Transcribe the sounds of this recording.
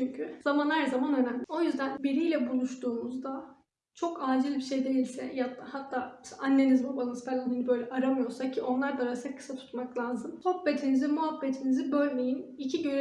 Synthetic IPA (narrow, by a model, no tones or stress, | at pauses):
t͡ʃyɲcʰyz̥amanhæɾzamanø̞næmlʲio̞jyzd̪ænbiɾijlʲɛbulˠuʃt̪ʰuːmuzd̪a | t͡ʃʰo̞kaːd͡ʒilʲbiʃe̞jd̪e̞jilʲsɛ̰jat̪ːahat̪ʰːaːmʃʔanːenizmobaɯnspɛlʲaninibø̞jlʲɛʔaɾamɯjo̞ɾsacʰio̞nlˠaɾd̪aɾasɛkʰːɯ̥sat̪ʰu̥t̪maklˠaːzɯmso̞be̞t̪ʰinizimuɦabːet̪ʰinizibø̞lʲmʲejinicʰiɟøɾe